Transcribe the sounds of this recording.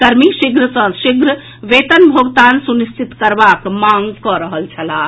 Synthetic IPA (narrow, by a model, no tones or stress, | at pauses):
kəɾmiʃiɡɾəsə̃nʃiɡɾə | ʋet̪ənbʱoɡt̪ansunist͡ʃʰit̪kəɾbakmaŋɡkɔɾəɦəlt͡ʃʰɐla